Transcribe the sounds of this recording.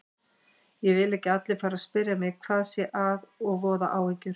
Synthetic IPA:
jɛvɪlɛhcɪat̪lɪfaːɾaspɪɾjamɛɣkʰv̥aːðsjɛʔaðɔɣvɔːða̰ʔaːwhɛcʏɾ̥

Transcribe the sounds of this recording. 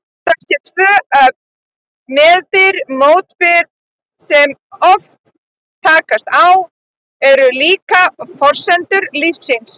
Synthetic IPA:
θasjɛt̪ʰvœːœp̚ | mɛːðɪɾmoːwt̪pɪɾ | sɛmɔft̪ʰː | aːkast̪aw | ɛɾʏliːkafɔr̥sɛnt̪ʏɾlifsins

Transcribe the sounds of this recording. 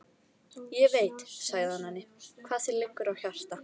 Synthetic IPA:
jɛveːjt̪saɣðɪhanhanːɪkʰv̥aːðsɛlɪkːʏɾawçar̥t̪a

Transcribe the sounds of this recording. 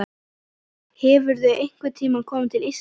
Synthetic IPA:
hɛvʏɾðʏʔejŋ̥kvʏt̪ʰiːmankʰɔːmɪt̪ʰɪlis

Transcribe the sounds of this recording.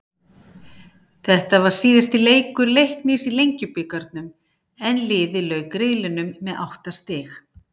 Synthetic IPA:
θɛht̪avaɾ̥siːðɪst̪ɪleːjkʏɾlejhknɪsilejɲcʏpʏkaɾt̪nʏm | ɛnlɪːðɪlœɥkɾɪðlɪnʏmːɛðʔa̰wht̪ast̪ɪːx

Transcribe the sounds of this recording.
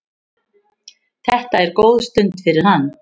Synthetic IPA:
θɛht̪aɛɾkoːwðst̪ʏnt̪fɪɾɪɾ̥hanː

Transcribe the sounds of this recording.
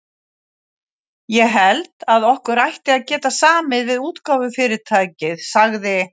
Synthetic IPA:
jɛɣɦɛlt̪aðɔhkʏɾajht̪ɪaðcɛːt̪asaːmɪðvɪðuːt̪kaːwvʏfɪːɾɪt̪ʰaːjcɪðsaɣðɪ

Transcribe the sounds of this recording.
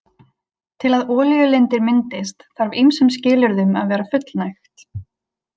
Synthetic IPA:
t̪ʰɪlaðɔːljʏlɪnt̪ɪɾmɪnt̪ɪst̪θaɾvimsɛmscɪːlʏɾðʏmaðvɛːɾafʏt̪lnajxt̪l

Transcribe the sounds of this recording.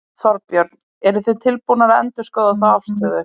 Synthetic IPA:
θɔɾpjœɾn | ɛɾʏθet̪ʰɪlpunaɾɛ̰nt̪ʏskœːðaθawafst̪œːðʏ

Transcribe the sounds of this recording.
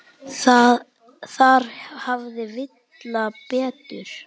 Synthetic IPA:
θað | θaɾ̥havðɪvɪt̪ | lapɛːt̪ʏɾ̥

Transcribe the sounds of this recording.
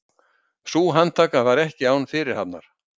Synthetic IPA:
suːɦant̪ʰaːkavaɾɛhcɪaːwnfɪɾɪɾ̥hat̪nːa̰ɾ̥

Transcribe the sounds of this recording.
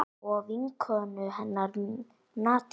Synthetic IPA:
ɔviŋkʰœnʏɦɛnːaɾ | naːt̪

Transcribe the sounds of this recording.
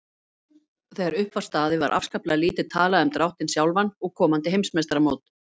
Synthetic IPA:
θɛjɣaɾʏhpvḁst̪aːðɪva̰ɾʔa̰fskaplaaliːt̪ɪt̪ʰaːlaðœmt̪ɾʔawht̪ɪnsjawlvanːɔɣkʰɔːmant̪ɪɦejmsmɛst̪ɾamoːwt̪

